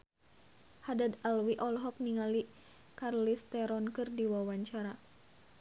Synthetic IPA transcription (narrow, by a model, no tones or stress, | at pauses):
hadad̪alwiʔɔlɦɔk̚niŋali | karlist̪ɛɾɔnkɨrdiwawaɲt͡ʃaɾa